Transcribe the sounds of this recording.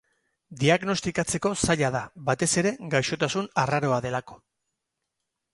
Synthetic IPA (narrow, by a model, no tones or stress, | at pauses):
d̪iaɣno̞st̪ikat͡se̞ko̞saʎaðaβat̪e̞se̞ɾe̞ɡajʃo̞t̪asunaraɾo̞aðe̞lako̞̥